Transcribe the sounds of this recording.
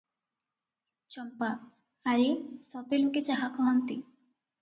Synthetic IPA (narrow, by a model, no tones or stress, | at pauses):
t͡ʃɔmpaː | ɾesɔt̪eloket͡ɕaɦakɔɦɔnt̪i